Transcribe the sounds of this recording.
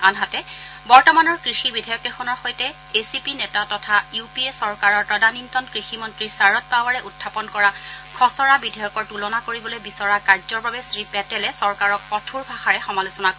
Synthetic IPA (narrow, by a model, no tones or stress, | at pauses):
anɦatɛbɔɹtɔmanɔɹkɹixibidʱajɔkɛxɔnɔɹxojtɛ | esipinɛtatɔtʰajupiesɔɹkaɹɔɹtɔdanintɔnkɹiximɔntɹisaɹɔt̚pawaɹɛʔutʰːapɔnkɔɹakʰɔsɔɹabidʱajɔkɔɹtulɔnakoɹibɔlojbisɔɹakaɹzɔɹbabɛsɹipɛtɛlɛsɔɹkaɹɔkːɔtʰuɹbʱaxaɹɛxɔmalusɔnako